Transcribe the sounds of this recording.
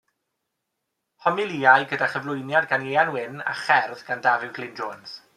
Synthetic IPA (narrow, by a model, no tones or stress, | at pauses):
hɔmɪlˠiːajɡədaχəvlˠʊjnjadɡanejanwɪna̰χɛrðɡandavɪwɡʰlɪnd͡ʒoːns